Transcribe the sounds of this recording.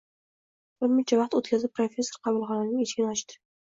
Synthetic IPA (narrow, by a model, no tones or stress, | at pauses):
bɪɾmɪt͡ʃʰavɑq̚t̪ot̪kʲazɪp̚pʰɾofʲe̞sːo̞ɾqʰɑvʊlˠχɒnanɪŋet͡ʃkʲɪnɒt͡ʃt̪ɪ̥